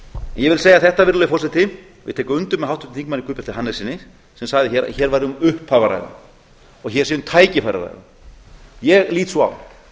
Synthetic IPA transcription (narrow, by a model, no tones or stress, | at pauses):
ɛnjɛvɪlseːjaθɛht̪avɪɾlœjɪfɔrsat̪ɪ | vɪ̰ðt̪ʰɛːkʏmʏnt̪ʏmːɛɦawt̪ʏ̥mt̪θiŋkmanːikʰʏːpɛɾt̪ɪɦanːɛsinːɪ | sɛmsaɣðɪçɛɾa̰çɛːɾvajɾɪʏmʏhphavaɾa̰jɣa̰ | ɔɣçɛɾ̥sɛːðʏmt̪ʰaːjcɪfaɾa̰ɾa̰jða̰m | jɛɣliːt̪sɔa̰w